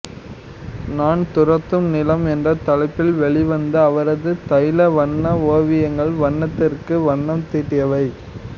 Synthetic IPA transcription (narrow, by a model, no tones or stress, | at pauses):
naːɳt̪ʊɾɐt̪ːɯmnɪlɐmɛndrɐt̪ɐlɐɪpːɪlʋɛɭɪʋɐnd̪ɐːʋɐɾɐðɯt̪ɐjlɐʋɐɳːɐoːʋɪjɐŋɡɐɭʋɐɳːɐt̪ːɪrkɯʋɐɳːɐmt̪iːʈːɪjɐʋɐɪ